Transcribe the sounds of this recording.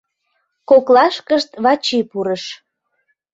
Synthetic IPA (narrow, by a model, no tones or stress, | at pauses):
koklɑʃkəʃt̪βɑt͡ɕipuɾəʃ